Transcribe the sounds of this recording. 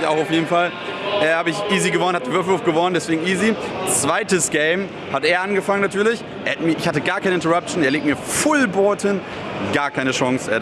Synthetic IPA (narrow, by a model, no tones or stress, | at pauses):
ça̰ʊxaʊfjeːdn̩fal | ʔɛːhaːbəɪçʔiːziɡəvɔnənhatd̥eːɐvʏɐfl̩voːftɡ̥əvɔnəndɛsv̥eːɡŋ̩ʔiːzit͡sv̥aɪtəsɡ̥ɛɪm | hatʔeːɐʔanɡəfaŋənːatʰyːɐlɪç | ʔeatmiɐʔɪçhatəɡaːɐkʰaɪnəʔɪntəʁap̚t͡ʃneɐleːktmiːɐfʊlbɔɐtʰən | ɡ̥aːɐkʰaɪnəʃɔŋsɛɐ